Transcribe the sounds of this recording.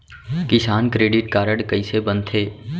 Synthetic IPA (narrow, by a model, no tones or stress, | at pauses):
kɪsaːnkɾeːɖɪʈkaːɾəɽkəisebənt̪ʰeː